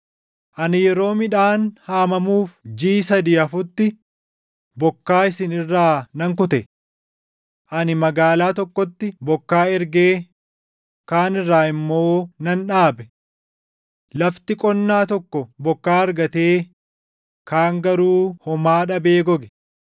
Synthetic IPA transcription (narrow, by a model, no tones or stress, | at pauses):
ʔɐnɪjɛɾo̞ːmɪᶑaːnhaːmɐmuːfd͡ʒiːsɐd̪iːɐfʊt̪ːɪ | bɔkːaːɪsɪnɪrːaːnɐŋkʊt̪ɛ | ʔɐnɪmɐɡaːlaːt̪ɔkːɔt̪ːɪbɔkːaːɛɾɡeː | kaːnɪrːaːɪmːo̞ːnɐnᶑaːbɛ | lɐft̪ɪkʼɔnːaːt̪ɔkːɔbɔkːaːɐɾɡɐt̪eː | kaːŋɡɐɾuːhɔmaːᶑɐbe̞ːɡɔɡɛ